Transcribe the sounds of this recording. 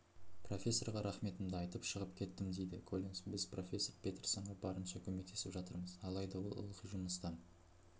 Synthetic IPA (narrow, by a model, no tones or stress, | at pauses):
pro̞fʲe̞sːo̞rʁɑɾɑχme̞t̪ɪmd̪ɪɑjt̪əpʃəʁəpkʲʰe̞t̪ːɪmd̪ejd̪ɪkʰolʲiŋsbɪzpro̞fʲe̞sːo̞ɾpʰʲe̞t̪rsɑɴʁɑbɑɾənʃɑkʲʰɵme̞k̚t̪e̞sɪpʒɑt̪əɾməzɑlˠɑjd̪ɑwo̰lˠə̰lˠqiʒʊməst̪ɑn